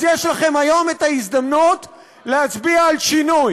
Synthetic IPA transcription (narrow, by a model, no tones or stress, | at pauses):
jeʃlaχe̞majo̞metaisd̪amnut | lehat͡sbiaːlʃinuj